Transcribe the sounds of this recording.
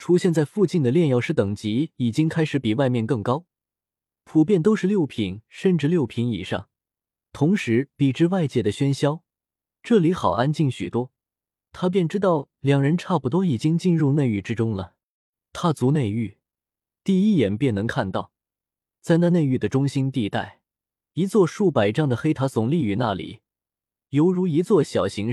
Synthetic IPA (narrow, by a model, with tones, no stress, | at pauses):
ʈ͡ʂʰu˥ɕjɛ˥˧nt͡sa˥˧ɪfu˥˧t͡ɕi˥˩nd̪ə˩ljɛ˥˧njɑ˥˧ʊʂɻ̩˥˩t̪ɤ˨˩ŋt͡ɕi˧˥i˨˩t͡ɕi˥ŋkʰa˥ɪʂɻ̩˧˥pi˨˩wa˥˧ɪmjɛ˥˧nkɤ˥˩ŋkɑ˥ʊ | pʰu˨˩pjɛ˥˩nt̪o˥ʊʂɻ̩˥˧ljo˥˩ʊpʰi˧˩˥nʂə˥˧nʈ͡ʂɻ̩˥˧ljo˥˩ʊpʰi˧˥ŋḭ˨˩ʂɑ̰˥˩ŋ | t̪ʰʊ˧˥ŋʂɻ̩˧˥pi˨˩ʈ͡ʂɻ̩˥˧wa˥˧ɪt͡ɕjɛ˥˩d̪ə˩ɕɥɛ˥nɕjɑ˥ʊ | ʈ͡ʂɤ˥˩li˧˥xɑ˨˩ʊa˥nt͡ɕi˥˩ŋɕy̰˨˩t̪wɔ˥ | t̪ʰa˥p̬jɛ˥˩nʈ͡ʂɻ̩˥t̪ɑ˥˩ʊ | ljɑ˨˩ŋɻə˧˥nʈ͡ʂʰa˥˩pu˨˩t̪wɔ˥i˨˩t͡ɕi˥ŋt͡ɕi˥˧nɻu˥˧ne˥˧ɪy˥˩ʈ͡ʂɻ̩˥ʈ͡ʂʊ˥ŋlə˨ | t̪ʰa˥t͡su˧˥ne˥˧ɪy˥˩ | t̪i˥˧i˥˩jɛ˨˩npjɛ˥˩nnɤ˧˥ŋkʰa˥˧nt̪ɑ˥˩ʊ | t͡sa˥˧ɪna˥˧ne˥˧ɪy˥˩d̪ə˩ʈ͡ʂʊ˥ŋɕi˥nt̪i˥˧t̪a̰˥˩ɪ | i˧˥t͡swɔ˥˧ʂu˥˩pa˨˩ɪʈ͡ʂɑ˥˩ŋd̪ə˩xe˥ɪt̪ʰa˧˥t͡sʊ˨˩ŋli˥˧˩y˧˥na̰˥˩lḭ˨˩˦ | jo˧˥ʊɻu˧˥i˧˥t͡swɔ˥˩ɕjɑ˨˩ʊɕi˧˥ŋ